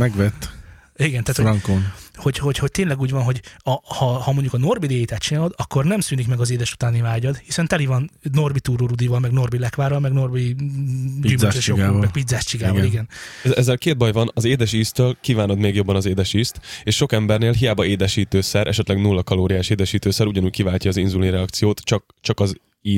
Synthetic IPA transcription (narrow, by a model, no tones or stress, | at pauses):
mɛɡʋɛt̪ː | iɡɛnt̪aːt̪hoŋkonho̞ɟho̞cho̞c̚t̪eːnlɛɡuːɟvɒnɦo̞ɟɒhɒhɒmo̞ɲɟukɒno̞rbid̪eːjit̪at̪t͡ʃinaːlo̞d̪ɒkːo̞rnɛmsyːnikmɛɡɒzeːd̪ɛʃu̥t̪aːnivaːɟɒd̪hisɛnt̪ɛlivɒnːo̞rbit̪uːɾoɾud̪ivɒlmɛɡno̞rbilɛkvaːɾɒlmɛɡno̞rbi | d͡ʒimʃoɡamɛɡpid̪zaːʃt͡ʃiɡaːvɒliɡɛnɛzːɛlkeːd̪̚bɒjvɒnɒzeːd̪ɛʃiːst̪ølkiːvaːno̞d̪meːɡjo̞bːɒnɒzeːd̪ɛʃiːst̪eːʃʃo̞kɛmbɛrneːlɦijaːbɒeːd̪ɛʃiːt̪øːsɛɾʔɛ̰ʃɛt̪lɛɡnulːɒkɒloːɾijaːʃeːd̪ɛʃiːt̪øːsɛɾuɟɒnuːɟ̚kivaːcːɒːzinzulinrɛɒkt̪sijoːt̪t͡ʃɒk̚ | t͡ʃɒkɒz | iː